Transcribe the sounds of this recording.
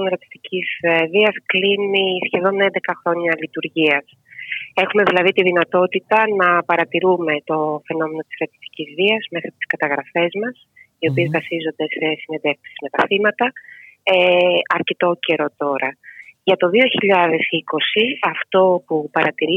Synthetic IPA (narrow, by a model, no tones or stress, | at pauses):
onɾɐt̪i̥st̪i̥cizviɐsklinisçe̞ðo̞nend̪ekɐxɾo̞ɲɐlit̪uɾʝiɐs | e̞xume̞ðilɐðit̪iðinɐt̪o̞t̪it̪ɐnɐpɐɾɐt̪iɾume̞t̪o̞fe̞no̞me̞no̞t̪i̥sɾɐt̪i̥st̪i̥cizviɐzme̞sɐpot̪i̥skɐt̪ɐɣɾɐfe̞zmɐs | io̞piezvɐsizo̞nd̪e̞se̞sine̞nd̪e̞ft̪i̥szme̞t̪ɐθimɐt̪ɐ | ɐɾce̞t̪o̞ce̞ɾo̞t̪o̞ɾɐʝɐt̪o̞ðio̞çiʎɐðe̞siko̞siɐft̪o̞pupɐɾɐt̪iɾi